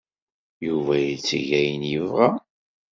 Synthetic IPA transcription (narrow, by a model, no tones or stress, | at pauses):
juvæjit͡sːiʝæjənjəvʁa